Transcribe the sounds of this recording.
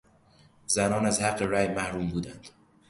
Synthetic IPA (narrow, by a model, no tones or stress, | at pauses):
zænɒːnæzhæɢːeɾæːjmæhɾuːmbuːd̪ænd̪̥